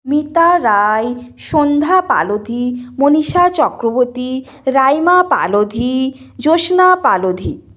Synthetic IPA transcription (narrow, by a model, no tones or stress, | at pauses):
mit̪aɾajʃond̪ʱapa̰lod̪ʱimoniʃat͡ɕɔkɾoboɾt̪i | ɾajmapa̰lod̪ʱid͡ʑoʃnapalod̪ʱi